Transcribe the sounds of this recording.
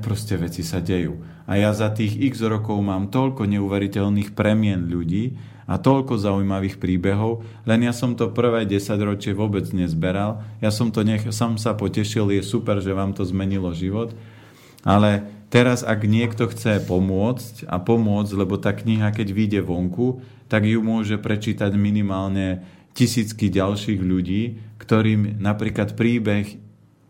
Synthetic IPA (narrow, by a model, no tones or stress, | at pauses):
pɾɔscɛʋɛt͡sisaɟɛjṵː | ajazat̪iːɣiɣzɾɔkɔʊmaːmt̪ɔʎkɔɲɛuʋɛɾicɛʎniːxpɾɛmɪɛnʎuɟiː | a̰t̪ɔʎkɔzaujmaʋiːxpɾiːbɛɦɔʊ | lɛnjasɔmt̪ɔpr̩ʋɛjɟɛsaɟɾɔt͡ʃɪɛʋʊɔbɛd͡zɲɛzbɛɾaljasɔmt̪ɔɲɛxsɔmsapɔcɛʃiljɛsupɛɾʒɛʋaːmt̪ɔzmɛɲilɔʒiʋɔt̪ | alɛt̪ɛɾazaɡɲɪɛkt̪ɔxt͡sɛpɔmʊɔt͡sca̰pɔmʊɔd͡zɟlɛbɔt̪aːkɲiɦakɛɟʋiɟɛʋɔŋku | t̪aɡjumʊɔʒɛpɾɛt͡ʃiːt̪aɟminimaːlɲɛ | cisiːt͡skiɟalʃiːɣʎuɟiːkt̪ɔɾiːmnapɾiːklat̪pɾiːbɛx